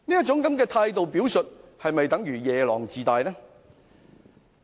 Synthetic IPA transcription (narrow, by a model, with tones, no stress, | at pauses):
niː˥jɐ˥t̚t͡sʊ˨˥ŋkɐ˨˥mkɛː˧t̪ʰaː˧jt̪o˨wpi˨˥wsɵ˨t̚hɐ˨jmɐ˨jt̪ɐ˨˥ŋjyː˨˩jɛː˨lɔ̰ː˨˩ŋt͡siː˨t̪aː˨jnɛː˥